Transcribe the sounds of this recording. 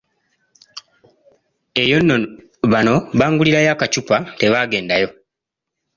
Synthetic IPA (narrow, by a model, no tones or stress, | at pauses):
e̞jo̞nːo | βano̞βaːŋɡuliɾajaːkat͡ʃupate̞βaːɡe̞ːndajo̞